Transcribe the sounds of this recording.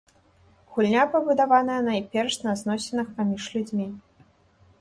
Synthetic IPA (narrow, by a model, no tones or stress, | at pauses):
ɣulʲnʲapɐbud̪avanɐjɐnaipʲɛrʂnɐznɔsʲɛnɨxpamʲiʐlʲud͡zʲmʲi